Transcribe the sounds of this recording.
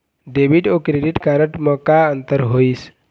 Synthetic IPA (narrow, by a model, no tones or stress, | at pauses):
ɖebiʈokɾeɖiʈkaɾəʈmə̃kaənt̪əɾɦois